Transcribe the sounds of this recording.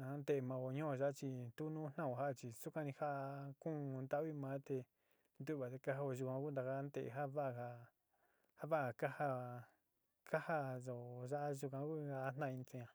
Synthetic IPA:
a˦nd̪e˧mã˧o˧ɲõ˦˧ʒa˦t͡ʃi˧t̪u˦nũ˦n̥nã˦˨o˧˨ɦa˦ʔt͡ʃi˧su˦kʷã˦nĩ˧ha˦ʔkũ˦˧nd̪a˦βi˦mãː˨˦t̪e˧ | nd̪u˦ʔβa˨t̪e˧ka˦ɦa˧o˧ʒu˧kʷã˧ku˦nd̪a˧ka˦nd̪e˦˨ḛ˨ɦa˦βa˦ʔha˧ | ha˦βa˦ʔka˦ha˦ | ka˦ha˦ʒo˨ʒa˦ʔa˦ʒu˧kʷã˧ku˦a˧˦n̥nã˦˧ĩ˧n˧t͡sõ˧ɲã˧˨

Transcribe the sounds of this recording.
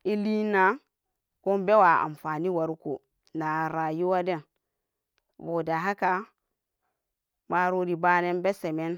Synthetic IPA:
i˦li˦na˦ | ko˦mbe˦wa˨a̰˨m˨fa˨ni˦wa˨ɾu˦ko˨ | na˨ɾa˨ju˦wa˦de˦n | bo˨da˨ɦa˦ka˨ | ma˦ɾo˦di˨ba˦ne˦nbe˦se˨me˦n

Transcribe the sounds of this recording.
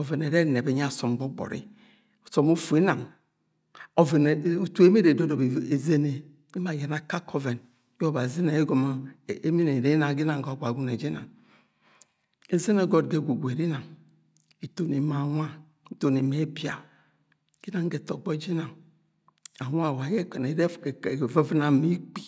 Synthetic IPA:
o˨ve˨ne˨ɾe˦˨ne˨be˨ɲ˦a˦˨so˨m˨bo˦ɡ͡bo̰˨ɾḭ˦˨ | so˨mu˦fu˨e˦na˨ŋ | o˨ve˨n˨˦u˨tu˦e˦me˦ɾe˨do˦do˨be˨ze˦ne˨ | i˦ma˨je˨na˨ka˦kʰo˦ve˨n˦ | jo˦˨ba˨zi˦ne˨e˦ɡo˨m˦˨e˦mi˦ne˨ɾe˨˦na˨ŋ˦ɡi˦na˨ŋ˨ɡo˨ɡʷa˨ɡu˦ne˨d͡ʒi˦na̰˨ŋ | e˨ze˦ne˨ɡo˦˨dɡe˦˨ɡʷu˨ɡʷe˨ɾi˦na˨ŋ | i˨to˨ni˨ma˨wʷa˦˨ | to˨ne˨me˨˦bi˨a˨ | ɡ̥i˦na˨ŋ˦ɡe˨to˨k͡po˦d͡ʒi˦na˨ŋ | a˨wa˦˨wa˨˦je˦ke˨ne˨˦de˦˨ve˦vi˦na˨mi˦k͡pi̥˨

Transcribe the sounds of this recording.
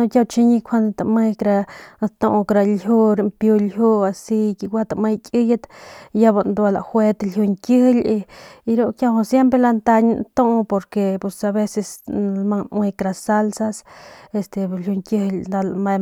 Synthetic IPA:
no˧kja˧wt͡ʃi˧ɲi˧kʷʰa˦n˧t̪a˨me˧kɾa˧t̪õ˧ʔkɾa˧lju˦ɾe˧mpju˧lju˦a˧si˧ki˧ɡʷwa˦t̪a˧ʔme˧jkʲʼi˦ja˦t̪ja˦ba˧nd̪wa˧la̰˨xwe˦t̪lju˧ŋkjə˦hli˧ɾo˦˧ʔkja˧wo˧sje˦mpɾe˧la˧nt̪a˧ɲnt̪õ˦ʔpo˧ɾke˧pe˧sa˧βe˧se˧slma˧nwe˧kɾa˧sa˦lsa˧se˧st̪e˨lju˧ŋkjə˧hld̪a˧lma˧

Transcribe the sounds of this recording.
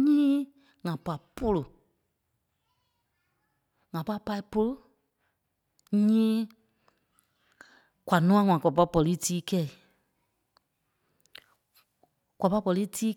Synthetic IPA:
ɲĩː˦ | ŋã˨pa˨po˧lo˨ | ŋã˨pa˧˦pa˧i˧˦po˧lo˦ | ɲĩː˦ | kwa˨nũ˦ã˧˦ŋʷwã˨kwa˨pa˧˦pɔ˨li˦tiː˦kɛ˦˨i˨ | kwa˨pa˧˦˧pɔ˨˧li˦tʰiː˦

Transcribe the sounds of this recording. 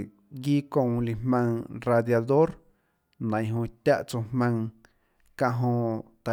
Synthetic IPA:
ɡiː˦kõ˧ŋli˨hmã˧ŋɾa˧d̪ja˧d̪o˦ɾ | nã˨ɦõ˧t̪ʲa˦ʔt͡so˧hmã˧ŋ | kã˧ʔɦõ˧t̪a˨

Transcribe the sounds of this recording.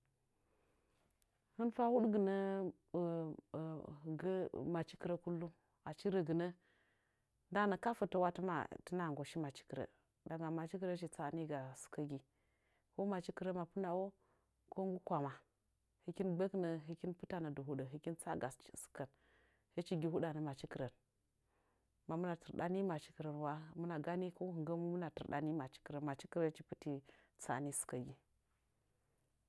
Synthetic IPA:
hə˦nfa˦hu˦ɗɡə˨nə˦˨ | ɡma˨t͡ʃi̥˦ki˨ɾə˦ku˦lːu˦ | a˨t͡ʃi˦ɾə˨ɡə˨nə˦ | nda˦nə˨ka˦fə˨tə˦wa˦tə˦ma̰˨tə˦na˨ɡo˨ʃi˦ma˨t͡ʃi̥˦kə˨ɾə̰˨ | da˨ɡa˨ma˨t͡ʃi˦kə˦ɾə˦ʃi˨t͡sa˦˨ni˦ɡa˨su̥˨kə˦ɡi˨ | ko˦ma˨t͡ʃi˦kə˨ɾə˦ma˨pu˦na˨wo˦ | ko˦ŋɡu˦kʷa˨ma˨ | hi˨ki˦nbə˦knə˨ɦi˨ki˦npu˦ta˨nə˨du˨ɦu˦ɗə˨ɦi˨ki˦nt͡sa̰˦ɡa˨ssu̥˨kə˨n | hə˦t͡ʃi˦ɡi˨hu˦ɗa˨nə˨ma˨t͡ʃi˦ki˨ɾə˨n | ma˨mu˦na˨tə˨ɾɗa˦ni˦ma˨t͡ʃi̥˦kə˨ɾə˨nwa˦mu˦na˨ɡa˦ni˦ko˦hu˨ŋɡə˦mu˦mu˦na˨tḭ˨ɾɗa̰˦ni˦ma˨t͡ʃi̥˦ki˨ɾə˨ma˨t͡ʃi˦ki˦ɾə˦t͡ʃi˨pu˦ti˨t͡sa̰˨ni˦su̥˨kə˨ɡi˨

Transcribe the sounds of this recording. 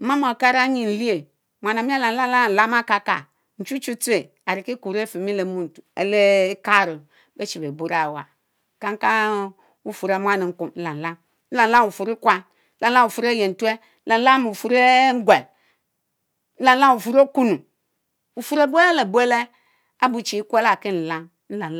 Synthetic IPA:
ma˦m˦˨o˨ka˦ɾa˦ɲi˨n̩˨li˦e˨ | mʷ˨a˨na˨mi˦a˦la˨˦la˦la˦˨la˦m˦a˦ka˨ka̰˨ | n̩˨t͡ʃu˦t͡ʃu˦tu˦e˨ | a˨ɾi˨ki˦ku˨ɾe˦fi˨mi˦le˨mu˦n̩˨tu˨ḛ˨le˦ka˦˨ɾu˨ | be˦t͡ʃi˨be˨bu˦ɾa˨wa˨ | ka˦ŋ˦ka˦ | u˦fu˨ɾa˨˦m˦a˦ni˨ŋ̩˦ku˨m˦n̩˦la˨n˨la˦m˦ | n̩˦la˨n˦la˦mu˨fu˨ɾi˦kʷa˦ | la˨˦la˦u˨fu˨ɾe˦je˨n̩˨tu˦e˦la˨n˦la˦m˨fu˨ɾe˦ŋ̩˦ɡʷe˨l | n̩˦la˨n˦la˦u˨fu˨ɾo˦ku˦nu˨ | u˨fu˦ɾe˦˨bu˦e˦le˦le˨bu˦e˦le˦ | a˦bu˨t͡ʃi˨i˦kʷe˦la˨ki˦n̩˨la˦m | n̩˦la˨

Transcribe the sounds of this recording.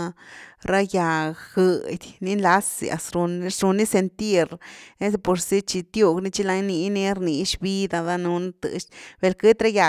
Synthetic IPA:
ɾa˦ja˨ɡɡɨ˨˧d̪ʲni˦nla˦sḭ˧a̰˨sɾu˧n˦ɾu˧nːi˦se˧nt̪i˦˧ɾe˦se˧po˧ɾsi˦t͡ʃi˧t̪ju˦˧ɡni˦t͡ʃi˧la˧jni˧ne˦ɾni˧ʃbi˦d̪a˧d̪a˧nu˧n˦t̪ɨ̰˧ʃb̥e˧lkɨ˦t̪ɾa˦ja˨

